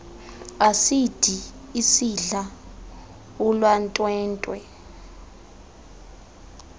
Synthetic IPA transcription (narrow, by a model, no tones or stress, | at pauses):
asid̥ʱiisiɮa | ulwantʼwɛːntʼwɛ